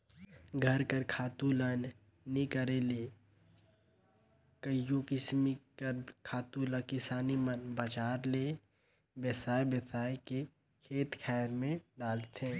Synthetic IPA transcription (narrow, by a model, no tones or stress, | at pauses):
ɡʱəɾkəɾkʰaːt̪ulən | nikəɾeleː | kəijũkɪsmikəɾkʰaːt̪uləkɪsaːnimənbad͡ʒaːɾleː | bjəsaːebəsaːeke | kʰeːt̪kʰɛːɾmẽɖaːlt̪ẽː